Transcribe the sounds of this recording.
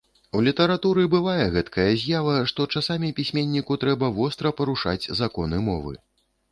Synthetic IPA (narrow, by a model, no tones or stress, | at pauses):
uwlʲit̪ɐɾat̪uɾɨbɨvajɛɣɛt̪kʰɐjɐzʲjavɐʂt̪ɔt͡ʂasamʲipʲisʲmʲenʲːikut̪ɾɛbɐvɔst̪ɾɐpɐɾuʂa̰d͡zʲzakɔnɨmɔ̰vɨ̰